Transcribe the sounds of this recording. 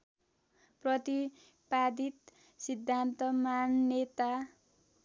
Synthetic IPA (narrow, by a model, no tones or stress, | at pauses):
prʌt̪i | pad̪ʱit̪ | sid̪ʱːant̪ʌmanːet̪a